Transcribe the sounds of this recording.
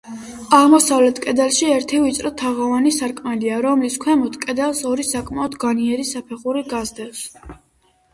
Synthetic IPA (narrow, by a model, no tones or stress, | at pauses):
aʁmɔsavlɛt̪ʰkʼɛd̪alˠʃiɛɾt̪ʰivit̪sʼɾɔt̪ʰaʁavanisaɾkʼmɛliaɾɔmliskʰwɛmɔt̪ʰkʼɛd̪alˠsɔɾisakʼmaɔd̪ɡaniɛɾisapʰɛχuɾiɡazd̪ɛs